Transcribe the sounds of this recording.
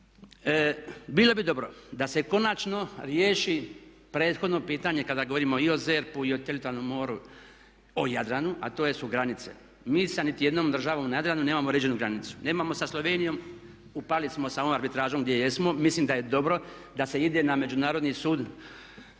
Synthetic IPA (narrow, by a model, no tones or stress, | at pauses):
bilo̞bid̪o̞bɾo̞d̪ase̞ko̞nat͡ʃno̞ɾjeːʃi | pɾe̞ːt̪xo̞d̪no̞piːt̪aɲekad̪aɡoʋo̞ɾimo̞io̞ze̞ɾpuiot̪elit̪oaɾnomːo̞ːɾu | ojad̪ɾanuʔa̰t̪o̞ːje̞suɡɾanit̪se̞̰ | miːsanit̪ije̞d̪nomd̪r̩ʒaʋomunajad̪ɾanune̞ːmamoɾed͡ʑenuɡɾanit̪su̥ne̞ːmamo̞saslˠo̞ʋeːnijo̞m | upaːlismo̞saoʋomaɾbit̪ɾaːʒomɡd̪jejesmo̞mislimd̪aje̞d̪o̞bɾo̞ | d̪ase̞id̪ename̞d͡ʒunaːɾo̞d̪nisuːd̪